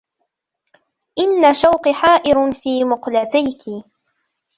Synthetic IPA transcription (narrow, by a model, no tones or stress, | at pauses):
ʔɪnːaʃawqɨħaːʔɪɾfiːmʊqlat̪ajkɪ